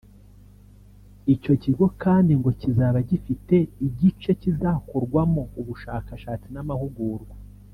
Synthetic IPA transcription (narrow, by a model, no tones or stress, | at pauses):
ico̞ciɡo̞kaːndiŋɡo̞cizaːβaɟifite̞iɟit͡ʃe̞cizakoɾɡwamouβuʃaːkaʃaːt͡sinamahuɡuːɾɡwa